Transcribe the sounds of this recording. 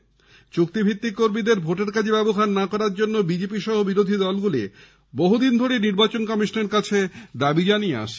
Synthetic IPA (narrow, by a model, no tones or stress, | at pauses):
t͡ɕuk̚t̪ibʱit̪ːikːoɾmid̪eɾbʱoʈeɾkad͡ʑʰebɛboɦanːakɔɾaɾd͡ʑonːobid͡ʑepiʃɔɦobiɾod̪ʱid̪ɔlɡulḭ | boɦud̪ind̪ʱoɾeniɾbat͡ɕonkɔmiʃoneɾkat͡ɕʰed̪abid͡ʑaniea̰ʃ